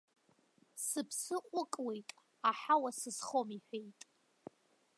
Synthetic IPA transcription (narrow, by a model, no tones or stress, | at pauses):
sɨpʰsɨqʷʼʊkʼwejtʼ | aħawasɨsχomiħʷᶣejtʼ